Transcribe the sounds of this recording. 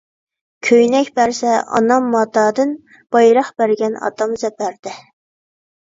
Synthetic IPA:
kʲʰøjnɛkʲbæɾsɛʔɑ̰nɑmːɑt̪ɑːd̪ɨn | b̥ɑjɾɑχbæɾɡʲɛnɑ̰d̪ɑmzɛpæɾd̪̥ɪ

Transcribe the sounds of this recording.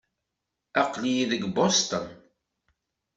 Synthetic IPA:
ɑqlijiðəɡbost̪ən

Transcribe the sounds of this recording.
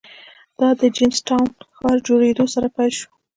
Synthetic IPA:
d̪̥ɑd̪əd͡ʒemsʈawnxɑɾd͡ʒoɽed̪osaɾapajlʃu̥

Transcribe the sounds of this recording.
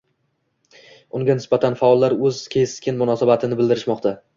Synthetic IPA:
ʊŋɡʲanɪsbat̪ʰanfaɒlˠːaɾɵzkʲʰe̞skʲʰɪnmʊnɒsabat̪ʰɪnɪbɪld̪ɪɾɪʃmɒqt̪ʰa

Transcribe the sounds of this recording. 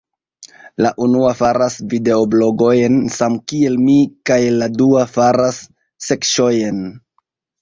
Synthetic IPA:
laʔunuafaɾasvide̞oblo̞ɡo̞jensamkie̞lmikajladuafaɾasː | e̞kʃo̞jen

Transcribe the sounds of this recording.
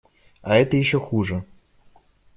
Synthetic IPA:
ɐɛt̪əjɪɕːɔxuʐɨ

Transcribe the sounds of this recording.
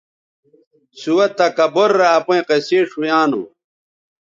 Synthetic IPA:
suwɐt̪ːɐkɐboɾːaːpũẽqeseːʂujaːno̰

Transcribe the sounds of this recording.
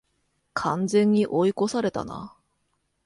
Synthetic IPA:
kʰand͡ze̞ŋiʔoikosʰaɾe̞t̪a̰na̰

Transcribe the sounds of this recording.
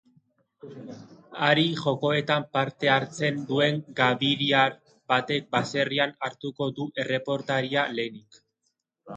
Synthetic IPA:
aɾiʝo̞ko̞e̞t̪ampaɾt̪e̞aɾt͡se̞nd̪ue̞ŋɡaβiɾiaɾ | bat̪e̞k̚base̞rianaɾt̪uko̞d̪uʔe̞re̞po̞ɾt̪aɾiale̞nik

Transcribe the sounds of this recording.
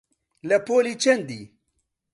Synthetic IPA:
lɐpoːlit͡ʃend̪i

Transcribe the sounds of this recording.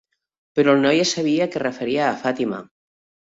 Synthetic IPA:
peɾɔlˠnɔjesaβ̞iakerefeɾiaːfat̪ima̰

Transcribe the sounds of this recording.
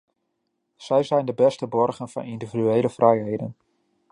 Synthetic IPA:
sɛjzɛjndəbɛstəbɔrɣənfɑ̰nindividyeːləfrɛjɦejdə̰n

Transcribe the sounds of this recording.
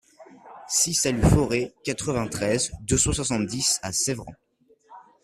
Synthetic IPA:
sisalyfɔʁekat̪χəvɛ̃t̪χɛzd̪øsɑ̃swasɑ̃t̪d̪isasɛvʁɑ̰̃

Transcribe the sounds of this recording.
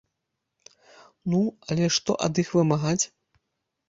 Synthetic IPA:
nuɐlʲɛʂt̪ɔ̰ʔɐ̰d̪ixvɨmaɣat͡sʲ

